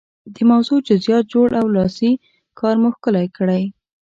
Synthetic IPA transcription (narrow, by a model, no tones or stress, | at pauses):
d̪əmawzod͡ʒʊzjɑt̪̚d͡ʒoɽʔawlɑsi | kʰɑɾmʊxkəlajkəɽaj